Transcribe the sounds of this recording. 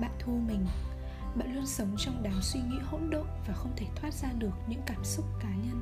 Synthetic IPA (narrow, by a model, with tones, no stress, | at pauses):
ɓa̰ː˧˨nt̪ʰu˧mï˨˩ŋ̟ | ɓa̰ː˧˨nlu˧nsə˨˦wŋ͡mt͡ɕɔ˧wŋ͡mɗaː˨˦nswi˧ŋḭ˧˥ho̰˧˥nɗo̰˧˨vaː˨˩xə˧wŋ͡mt̪ʰe˧˩t̪ʰwaː˦˥t̚z̥aː˧ɗɨ˨˩ək̚ɲɨ̰˧˥ŋkaː˧˩msʊ˦˥k͡p̚kaː˨˦ɲə˧n